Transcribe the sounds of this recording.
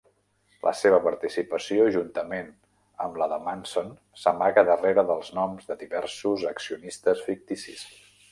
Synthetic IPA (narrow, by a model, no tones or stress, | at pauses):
lʔə̰seβ̞əpəɾt̪isipəsioʒunt̪əmen | ə̰mləðəmanson | səmaɣəðəreɾəðəlˠznɔmzðəðiβɛɾsuzəksiunist̪əsfik̚t̪isḭs